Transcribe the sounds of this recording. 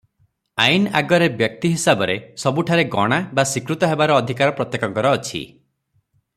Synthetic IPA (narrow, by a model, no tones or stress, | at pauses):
aina̰ɡɔɾebjɔk̚t̪iɦisabɔɾesɔbuʈʰaɾeɡɔ̰ɽ̃abasikɾut̪ɔɦebaɾɔːd̪ʱikaɾɔpɾɔt̪jekɔkɔɾɔːt͡ʃʰḭ